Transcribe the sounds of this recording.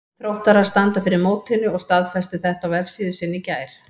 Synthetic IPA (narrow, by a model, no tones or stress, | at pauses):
θɾowht̪aɾaɾ̥st̪ant̪afɪɾɪɾmoːwt̪ɪnːʏɔɣst̪aðfɛst̪ʏθɛht̪awɛfsiːðʏsɪnːɪcaːjɾ̥